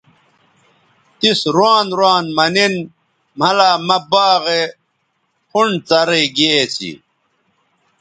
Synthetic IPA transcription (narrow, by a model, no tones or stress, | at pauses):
t̪isɾwaːnɾwaːnmɐnin | m̤ɐlaːmɐbaːɣe | pʰuɳt͡sɐɾeɡiet͡ɕʰḭ